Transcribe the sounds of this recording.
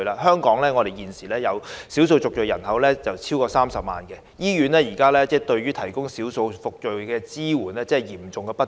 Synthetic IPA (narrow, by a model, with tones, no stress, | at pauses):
laː˧ɦœː˥ŋkɔː˨˥ŋlɛː˥ŋɔ˨˧d̪e˨jiː˨nsiː˨lɛː˥jɐ˨˧wsi˨˥ws̬o˧wt͡sʊ˨k̚t͡ʃjɵ˨jɐ˨˩nhɐ˨˧wlɛː˥t͡sɐ˨wt͡sʰiː˥wkɔː˧saː˥msɐ˨p̚ma̰ː˨nkɛ˧ | jiː˥ɥyː˨˥nlɛː˥jiː˨˩kaː˥lɛː˥t͡sɛː˥˩t̪ɵ˧ɥɥyː˥t̪ʰɐ˨˩jkʊ˥ŋsi˨˥wso˧wfʊ˨k̚t͡ʃɵ˨˩ɥkɛː˧t͡siː˥wuː˨˩nɛː˥t͡sɛː˥ɛ˨˩jiː˨˩mt͡sʊ˨ŋkɛː˧pɐ˥t